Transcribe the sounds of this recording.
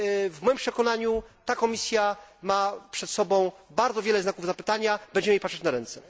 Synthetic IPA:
vmɔjimpʂɛkɔnaɲut̪akɔmʲisʲjamapʂɛt̪sɔbɔ̃w̃baɾd̪zɔvʲjɛlɛznakuvzapɘt̪aɲabɛɲd͡ʑɛmjejpatʂɛt͡ɕnaɾɛnt̪sɛ

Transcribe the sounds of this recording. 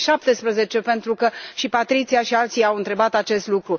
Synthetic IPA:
ʃap̚t̪e̞spɾəze̞t͡ʃe̞pe̞nt̪ɾukəʃipat̪ɾit̪siaʃialt̪sijawɨnt̪ɾe̞bat̪at͡ʃe̞st̪lukɾu

